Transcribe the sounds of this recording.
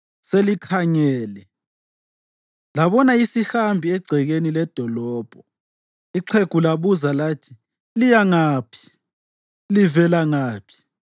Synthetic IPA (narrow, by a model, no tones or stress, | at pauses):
selikʰaɲɛːlɛ | laβɔnaisixambʱiɛɡ͡ǀʱɛɣenilɛd̥ʱɔlɔːb̥ʱɔ | iǃʰeɡ̥ʱulaβuzalaːtʰi̥ | lijaŋaːpʰi̥ | livɛlaŋaːpʰi̥